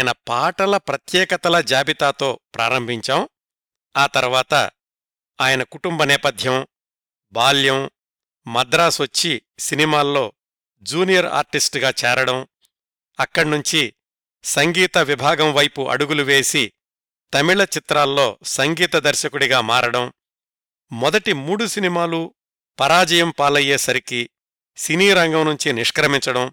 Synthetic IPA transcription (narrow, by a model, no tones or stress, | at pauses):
jnɐpaːʈɐlɐpɾɐt̪jɛːkɐt̪ɐlɐd͡ʒaːbit̪aːt̪o̞ːpɾʔaːɾɐmbʱiɲt͡ʃaːm | aːt̪ɐɾuʋaːt̪ɐ̰ | aːjɐnɐkuʈumbɐnɛːpɐd̪ʱjɐm | baːljɐm | mɐd̪ɾaːsʋɐt͡ʃːisinimaːlːo̞ː | d͡ʒuːnijɐɾa̰ːɾʈisʈɡaːt͡ʃɛːɾɐɽɐm | ɐkːɐɽnuɲt͡ʃi | sɐŋɡiːt̪ɐʋibʱaːɡɐmʋɐjpuʔɐ̰ɽuɡuluʋe̞ːsi | t̪ɐmiɭɐt͡ʃit̪ɾaːlːo̞ːsɐŋɡiːt̪ɐd̪ɐɾʃɐkuɽiɡaːmaːɾɐɽɐm | mɔd̪ɐʈimuːɽusinimaːlu | pɐɾaːd͡ʒɐjɐmpaːlɐjeːsɐɾiki | siniːɾɐŋɡɐmnuɲt͡ʃiniʂkɾɐmiɲt͡ʃɐɽɐm